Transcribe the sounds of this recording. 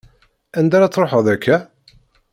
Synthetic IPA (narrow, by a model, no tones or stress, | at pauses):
ænd̪æɾat͡sːɾˤoħəðækːæ